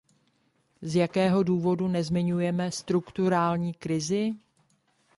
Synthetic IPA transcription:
zjakɛːɦo̞duːvo̞dunɛzmɪɲujɛmɛst̪ɾukt̪uɾaːlɲiːkɾɪzɪ

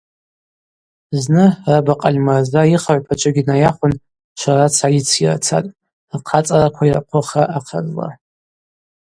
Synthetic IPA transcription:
znɨrabaqʼalʲmarzajiχaʕʷpʰat͡ʃʷʼɨɡʲinajaχʷʊn | ʃʷʰarat͡sʰajit͡sʰira̰t͡sʰa̰tʼ | rqʰat͡sʼarakʷʰaira̰qʷʰʊχaʔaqʰa̰zla̰

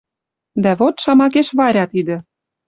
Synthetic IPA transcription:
d̪æβot̪ʃɑmɑk̬eʃβɑɾʲɑt̪id̪ə̆

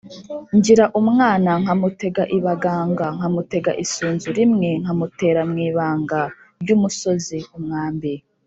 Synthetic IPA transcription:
ɲɟiɾaʔumŋaːnaŋ̥hamute̞ɡaʔiβaɡaːŋɡaŋ̥hamute̞ɡaʔisuːnzuɾimŋeŋ̥amute̞ːɾamŋiːβaːŋɡa | ɾɟumuso̞ziumŋaːmbi

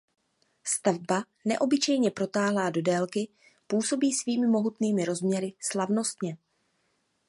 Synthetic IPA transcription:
st̪avba | nɛ̰ʔo̞bɪt͡ʃɛjɲɛpɾo̞t̪aːɦlaːdo̞dɛːlkɪ | puːso̞biːsviːmɪmo̞ɦut̪niːmɪɾo̞zmɲɛɾɪslavno̞st̪ɲɛ

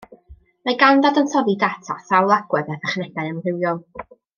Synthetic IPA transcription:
maɡandadəntʰɔvidatʰa̰sawlˠaɡ̥wɛðɛθaχnɛɡajənrɪwjɔlˠ

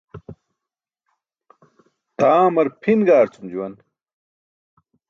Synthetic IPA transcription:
t̪aːmɐɾpʰinɡaːɾt͡sumd͡ʑuwɐn

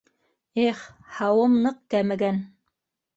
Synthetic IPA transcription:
eχhɑwɤmnɤq̚kæmɘ̆ɡæn

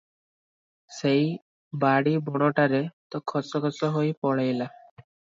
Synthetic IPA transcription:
sej | baɽibɔɽ̃ɔʈaɾet̪ɔkʰɔsɔkʰɔsɔɦojpɔɭajla

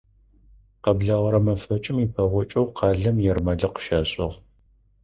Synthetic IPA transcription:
qɐbɮaʁɐɾɐmɐfɐt͡ʃʼɪmipʰɐʁʷɔt͡ʃʼɐwqʰɑːɮɐmjɛrmɐɮɐqə̥ʃaːɕʼɪʁ

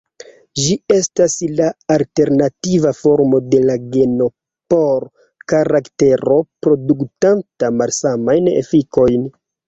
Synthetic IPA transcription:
d͡ʒie̞staslaːlte̞ɾnativafo̞ɾmo̞de̞laɡe̞no̞ | po̞ɾ | kaɾakte̞ɾo̞pɾo̞duktantamalsamajnḛfiko̞jn

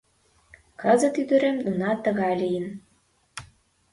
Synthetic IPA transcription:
kəzə̆t̪yd̪ø̆ɾemd̪unɑt̪ːə̆ɣɑlijən

